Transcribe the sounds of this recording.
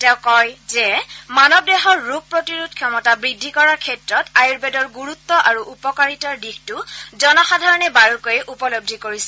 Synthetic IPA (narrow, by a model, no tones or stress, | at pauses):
tɛʊkɔjzɛmanɔb̚dɛxɔɹːup̚pːɹotiɹudkʰjɔmɔtabɹidʱːikɔɹaɹkʰɛtɹɔtajuɹbɛdɔɹɡuɹut̪ːɔʔaɹuʔupɔkaɹitɔdixtuzɔnɔxadʱaɹɔnɛbaɹukojɛʔupɔlob̚dʱikoɹisɛ